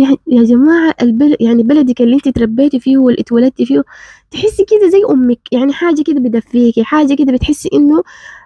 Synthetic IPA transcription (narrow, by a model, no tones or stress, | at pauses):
jaʕnjad͡ʒamaːʕaʔɪlbaljaʕnibalad̪ɪkʔɪlːiʔɪnt̪it̪ɾˤɑbːeːt̪ufiːhwɪlʔat̪walat̪̚ːifiːhut̪ɪħɪsːkɪd̪azajːʔʊmːɪkjaʕniħaːd͡ʒːakɪd̪abɪd̪afːiːkiħaːd͡ʒːakɪd̪abɪt̪ħɪsːʔɪnːʊ